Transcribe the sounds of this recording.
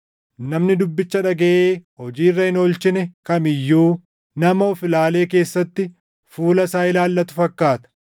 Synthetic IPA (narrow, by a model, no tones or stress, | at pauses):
nɐmnɪd̪ʊbːɪt͡ʃːɐᶑɐɡɐʔeːhɔd͡ʒiːrːɐhɪnolt͡ʃɪnɛkɐmɪjːuː | nɐmɐɔfɪlaːle̞ːk̬e̞ːsːɐt̪ːɪ | fuːlɐsaːɪlaːlːɐt̪ʊfɐkːaːt̪ɐ̥